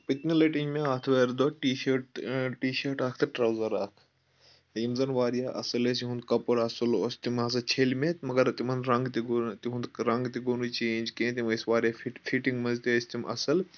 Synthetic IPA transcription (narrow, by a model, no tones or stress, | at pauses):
pit̪nɐlɐʈiɲmẽaːt̪ʰʋeːɾd̪oːʈiːʃɐʈʈiːʃɐːɾʈaːkʰt̪ʰɐʈɾɐwzɐɾaːkʰ | imzɐnʋaːɾijaːʔɐ̰sɐles̬iɦũnd̪kɐpɐɽɐsɨloːst̪imɐs̬ɐt͡ʃʰeːlmeːt̪mɐɡɐɾt̪imɐnd̪ɾɐ̃ŋɡt̪iɡt̪iɦũnd̪ɾɐŋɡt̪iɡonut͡ʃeːnʲd͡ʒkẽːt̪imisʋaːɾjaʈfiʈĩŋɡmɐzt̪iisʲt̪imʔɐ̰sɐl